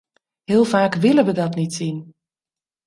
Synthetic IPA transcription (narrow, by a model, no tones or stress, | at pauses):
hɪəlˠfaːkʋɪləʋədɔtnitsin